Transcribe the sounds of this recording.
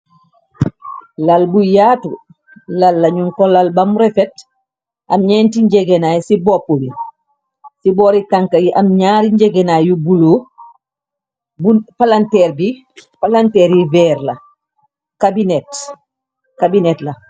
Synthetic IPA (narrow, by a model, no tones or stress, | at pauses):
lalbujaːtu | lalːaɲuŋkɔlalbamuɾɛfɛt | ʔamɲɛntiɲd͡ʒɛɡɛnajsibɔpːoli | sibɔɾikaŋkajiʔamɲaːɾiɲd͡ʒɛɡɛnaːjubuloː | bupalantɛɾbi | palantɛːɾivɛːɾla | kabinɛt | kabinɛtla